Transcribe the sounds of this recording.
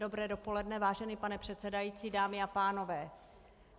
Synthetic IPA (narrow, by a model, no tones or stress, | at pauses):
do̞bɾɛːdo̞po̞lɛdnɛvaːʒɛnipanɛpr̝̥ɛt̪t͡sɛdajiːt͡siːdaːmɪapaːno̞vɛː